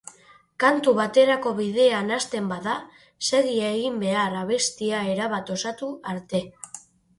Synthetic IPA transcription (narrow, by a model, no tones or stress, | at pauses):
kant̪uβat̪e̞ɾako̞βiðe̞anast̪e̞mbaða | se̞ɣ̞iaeɣ̞imbe̞araβ̞e̞st̪iae̞ɾaβat̪o̞sat̪uaɾt̪e̞